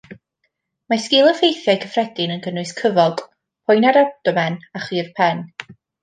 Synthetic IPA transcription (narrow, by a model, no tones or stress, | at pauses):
maskɪlˠəfejθjajkʰəfrɛdɪnənɡənʊɨskʰəvɔɡ | pʰʊjnaɾap̚tɔmɛnaχirpʰɛn